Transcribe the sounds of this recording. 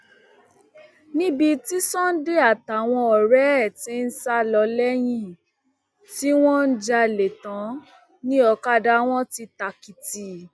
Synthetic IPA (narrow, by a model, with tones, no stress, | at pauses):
nĩ˦bi˧ti˦sɔ̃˦n̩˦de˦a˦˨ta˨w̃ɔ̃˧ɔ˨ɾɛ˦˨tĩ˨˦n̩˦sa˦lɔ˧lɛ˦j̃ĩ˦˧ | ti˦w̃ɔ̃˦n̩˦d͡ʒa˧le˨tã˨˦ | nĩ˦ɔ˧ka˦da˦w̃ɔ̃˦ti˧ta˨ki˨ti˨